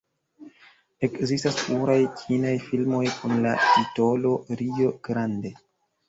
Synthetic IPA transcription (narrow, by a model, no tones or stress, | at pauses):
e̞kzistaspluɾajkʰinajfilmo̞jkunla̰tito̞lo̞ɾio̞ɡ̥ɾande̞